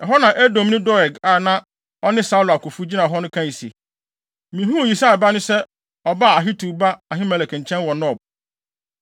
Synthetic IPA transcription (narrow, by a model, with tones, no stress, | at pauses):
ɛ˨ɦɔ˦nã˨ʔæ˦dɔ̃˨m˦nɪ̃˦dɔ˦ɛ˨ɡa˨nã˦ | ɔ˦nɪ̃˦sa˦lɔ˨a˨kʰʊ˨fu˦d͡ʑi˦nã˨ɦɔ˦nʊ̃˦kʰã˦˨i˨sḛ˨ | mĩ˨ɦũ˦˨ji˨sa˦˨ba˦nʊ̃˦sɛ˦ | ɔ˨ba˦˨a˨ɦi˦tʰu˨ba˦a˨ɦɪ̃˦mɛ˨lɛ˨kʰɛ̃˨ɲ̩˨t͡ɕʰɛ̃˦nwɔ˨nɔ̃˦˨b̚